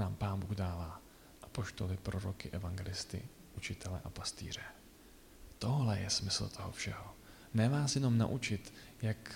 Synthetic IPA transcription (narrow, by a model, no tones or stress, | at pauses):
naːmpaːnbuːɣdaːvaː | ʔapo̞ʃt̪o̞lɪpɾo̞ɾokɪʔɛvaŋɡɛlɪst̪ɪ̰ | ʔut͡ʃɪt̪ɛlɛ̰ʔapast̪ḭːr̝ɛ | t̪o̞ɦlɛjɛ̰smɪsl̩t̪ʰo̞ɦo̞̰fʃɛɦo̞ | nɛvaːsjɛno̞mna̰ʔut͡ʃɪt̪ | jak